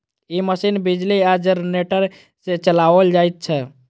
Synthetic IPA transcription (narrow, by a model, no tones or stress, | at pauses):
iməsinbid͡ʒliad͡ʒəɾneʈəɾ | set͡ʃəlaʋəld͡ʒajt̪̚t͡ʃʰɛ